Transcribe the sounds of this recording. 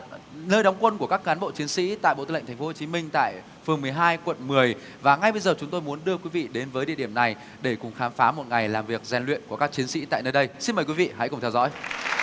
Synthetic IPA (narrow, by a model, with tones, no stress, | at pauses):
nəː˧jɗa˨˦wŋ͡mkwə˧nku˧˩əkaː˦˥k̚ːaː˨˦ɓo̰˧˨t͡ɕi˨˦ənsḭ˧˥t̪a̰ː˧˨jɓo̰˧˨t̪ːl̰ŋt̪ʰŋ̟fo˨˦ho˨˩t͡ɕi˨˦mï˧ŋ̟t̪a̰ː˧˨j | fɨ˨˩əŋmɨ˨˩əjɦaː˧jkwə̰˧˨nmɨ˨˩əj | vaː˨˩ŋa˧jɓə˧jzəː˨˩t͡ɕʊ˨˦ŋ͡mt̪o˧jmu˨˦ənɗɨ˧əkwi˨˦vḭ˧˨ɗe˨˦nvəː˨˦jɗḭ˧əɗi˧˩əna˨˩j | ɗe˧˩kʊ˨˩ŋ͡mxaː˨˦mfaː˨˦mo˨˩t̚ŋa˨˩jlaː˨˩mvi˨˩ək̚zɛ˧nlwḭ˧˨ənku˧˩əkaː˦˥k̚t͡ɕi˨˦ənsḭ˧˥t̪a̰ː˧˨jnəː˧jɗə˧jsi˧nməː˨˩jkwi˨˦vḭ˧˨ha̰˧˥jkʊ˨˩ŋ͡mt̪ʰɛ˧wzɔ̰˧˥j